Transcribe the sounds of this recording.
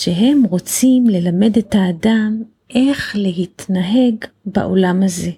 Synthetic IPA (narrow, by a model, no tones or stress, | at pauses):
ʃeɦe̞mʁo̞t͡simle̞lame̞detaːdam | ʔe̞χle̞ɦitnaɦe̞ɡ | ba̰ʔo̞̰lamaze̞